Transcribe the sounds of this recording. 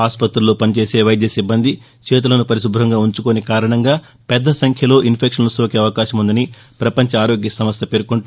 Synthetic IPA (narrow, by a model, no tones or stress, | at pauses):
aːspɐt̪ɾulo̞ːpɐnit͡ʃeːse̞ːʋɐjd̪jɐsibːɐnd̪i | t͡ʃeːt̪̬ulɐnupɐɾiʃubʱɾɦɐŋɡaːuɲt͡ʃukonikaːɾɐɳɐŋɡaː | pɛd̪ːɐsɐŋkʰjɐlo̞ːʔinpʰekʂɐnusoːkeɐʋɐkaːʃɐmund̪ɐni | pɾɐpɐɲt͡ʃɐaːɾo̞ːɡjɐsɐmɐst̪ɐpe̞ːɾkuɳʈ